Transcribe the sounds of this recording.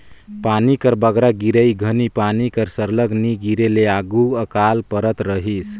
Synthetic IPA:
panikəɾbəɡɾaɡiɾəjɡʱənipanikəɾsəɾləɡniɡiɾeleaɡuəkalpəɾət̪ɾəɦis

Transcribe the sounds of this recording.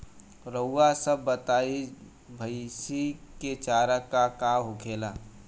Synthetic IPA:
ɾəːasəbːət̪aːi | bʱəɪsiket͡ʃaːɾəkakaɦʊkʰeːlaː

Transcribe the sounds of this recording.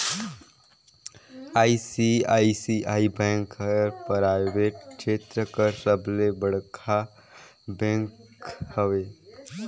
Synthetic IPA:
aːisiaːisiʔaːibɛ̃ːŋkɾpɾaɪʋeːʈ̚ʃeːt̪ɾəkəɾsəblebəɽkʰa | bɛ̃ŋkhəwe

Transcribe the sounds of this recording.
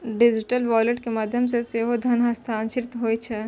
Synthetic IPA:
ɖɪd͡ʒɪʈəlʋaːleʈkemaːd̪ʱjəmseseɦod̪ʱɐnɦɐst̪ʰaːnʃɪɾɪt̪ɦoːit͡ʃʰɛ

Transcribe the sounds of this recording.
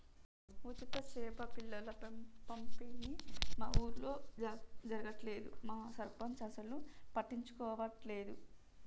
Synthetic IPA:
ut͡ʃit̪ɐʃɛːpɐpilːɐlɐpempɐmpinima̰ːʔuːɾulo̞ːd͡ʒɐɾɐɡɐʈle̞ːd̪ṵmaːsɐɾpɐnt͡ʃɐsɐlupɐʈːiɲt͡ʃu̥kɔːʋɐʈle̞ːd̪u

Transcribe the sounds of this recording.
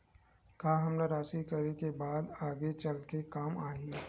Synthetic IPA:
kaːɦɐmnaɾaːsikɐɾekebaːd̪aːɡet͡ʃɐlkekaːmaːɦiː

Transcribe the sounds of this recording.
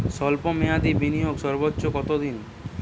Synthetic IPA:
sɔlpomead̪ibinijoɡsɔɾbotːɕokɔt̪od̪in

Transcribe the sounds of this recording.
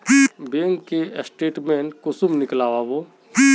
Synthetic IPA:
beːŋkkːesʈeːʈmeːnkʊsʊmnɪklaːʋaʋoː

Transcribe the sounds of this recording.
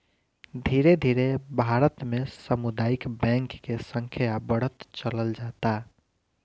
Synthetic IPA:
d̪ʱiɾed̪ʱiɾebʱaɾət̪mesəmud̪aikbɛ̃ŋkːesəŋkʰijabəɽ̤ət̪t͡ʃələld͡ʒat̪a

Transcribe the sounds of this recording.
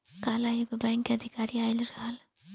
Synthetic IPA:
kaːlajʊɡbɛːŋkeɐd̪ʱɪkaːɾiaːɪlɾɦaːl

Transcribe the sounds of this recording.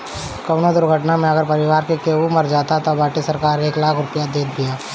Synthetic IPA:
kɐʋnod̪ʊɾɡʱəʈnamẽɐɡəɾpɐɾɪʋaːɾkekeumɐɾd͡ʒaːt̪at̪obaːʈisɐɾkaːɾeːklaːkʰɾʊpjad̪eːd̪̚bʱijaː

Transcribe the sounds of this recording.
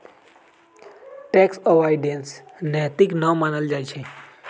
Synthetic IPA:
ʈɛksəʋaɪɖensnɛːt̪iknəmaːnəld͡ʒaːjt͡ʃʰe

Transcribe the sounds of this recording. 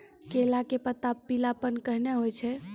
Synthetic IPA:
kelakepət̪apːilapənkəɦneɦojt͡ʃʰɛ

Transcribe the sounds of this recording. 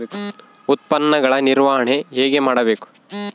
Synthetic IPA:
ut̪̚pɐnːɐɡɐɭɐniɾʋaːɦɐɳe̞ɦeːɡe̞maːɽɐbe̞ːku̥

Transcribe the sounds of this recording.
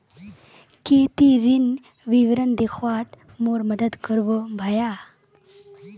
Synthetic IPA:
ket̪iɾin | ʋiʋɾənd̪ekʰʋat̪ | moɾməd̪əd̪kəɾʋobʱaja

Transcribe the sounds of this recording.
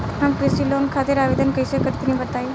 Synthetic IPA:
ɦamkɾisʈiːlonkʰat̪iɾaʋed̪ənkəjsəkəɾit̪inĩbət̪aj

